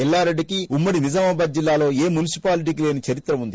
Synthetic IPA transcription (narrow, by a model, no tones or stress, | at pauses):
ɛlːaːɾeɖːikiumːɐɽinid͡ʒɐmɐbɐd̪̚d͡ʒilːaːlo̞ːe̞ːmunisi̥paːliʈ̬iːkile̞ːnit͡ʃɐɾit̪ɾɐmund̪i